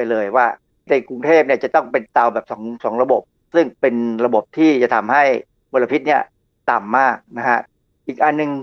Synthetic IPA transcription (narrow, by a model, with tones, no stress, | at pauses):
a˧jlɤː˧jwaː˥˩ | t̪a˧˩ku˧ŋt̪ʰeː˥˩p̚ni˥˩ɐt͡ɕa˨˩t̪ɔ˥˩ŋpe˧nt̪a˧wbɛː˨˩p̚sɔː˩˦ŋsɔː˩˦ŋɾa˧bo˨˩p̚ | sɯ˥˩ŋpe˧nɾa˧bo˨˩p̚t̪ʰiː˥˩t͡ɕa˨˩t̪ʰa˧mha˥˩j | mo˧la˧pʰi˦˥t̪̚ni˥˩ɐ | t̪a˨˩mːaː˥˩k̚na˦˥kʰa˦˥ | ʔiː˨˩k̚ʔa˨˩nːɯ˧ŋ